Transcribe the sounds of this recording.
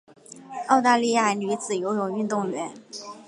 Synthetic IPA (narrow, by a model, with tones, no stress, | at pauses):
ɑ˥˧ʊt̪a˥˧li˥˧ja˥˩ə˧˥ly˧˥t͡sɹ̩˨˩jo˧˥ʊjʊ˨˩ŋy˥˧nt̪ʊ˥˩ŋɥɛ˧˥n